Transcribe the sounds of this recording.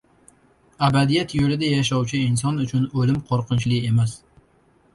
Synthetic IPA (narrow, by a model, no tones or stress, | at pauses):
æbæd̪ijɛt̪jolɪd̪ɛjaʃ̬ɒwt͡ʃʰɪins̬ɒnʊt͡ʃʰʊnɵlɪmqʰoɾqʰɨnt͡ʃlˠɨkemæs